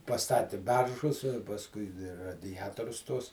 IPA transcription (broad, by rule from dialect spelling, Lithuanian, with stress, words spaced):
pɐˈstɑːtʲɪ ˈbʲɛrʒʊs ɪ pɐsˈkʊɪ dʲɪ rɐdʲɪˈjæːtoːrʲʊs tuɔs